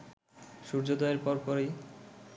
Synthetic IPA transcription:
ʃuɾd͡ʑod̪ɔeɾpɔɾpɔɾe

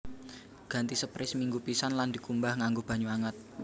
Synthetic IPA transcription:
ɡ̥a̤nt̪isəpɾɪsmiŋɡupisanland̪i̤kumbahŋaŋɡob̥ä̤ɲuaŋət̪̚

